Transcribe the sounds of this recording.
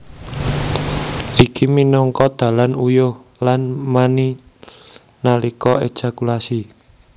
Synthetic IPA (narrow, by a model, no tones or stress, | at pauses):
ʔikiminɔŋkɔd̪̥a̤lanujohlanmani | nalikɔe̥ʒ̥a̤kulasi